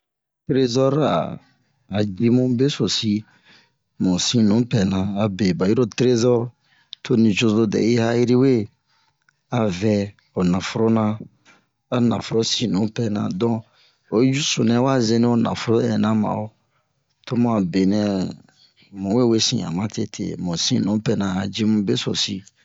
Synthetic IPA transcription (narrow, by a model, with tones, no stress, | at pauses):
tɾe˦zɔ˦ɾa̰ː˨ | d͡ʒi˦mũ˦be˦so˨si˦ | mũ˨sĩ˦nũ˨˦pɛ˨nã˨a˨be˨ba˨ji˦ɾo˦tɾe˦zɔ˦ɾ | tʰo˦nĩ˨d͡ʒo˧zo˦dɛ̰˨ji˦ha˦ji˦ɾi˦we˦ | a˨vɛ˨ | o˨nã˨fo˦ɾo˦nã˧ | a˨nã̰˨fo˨ɾo˦sĩ˦nũ˨˦pɛ˨nã̰˨dɔ̃˦ | o˨i˦d͡ʒu˦so˨nɛ̃˦wa˦ze˦nĩ˦o˨˦na̰˨fo˦ɾo˦ɛ˨nã˦mã̰˨o˦ | to˦mã˨a˨be˨nɛ̃˨ | mũ˨we˦we˦sḭ̃˨a̰˨mã˦tʰe˦tʰḛ˨mũ˨sḭ̃˦nũ˨˦pɛ˨nã˨a˨d͡ʒe˦mũ˦be˦so̰˨si˦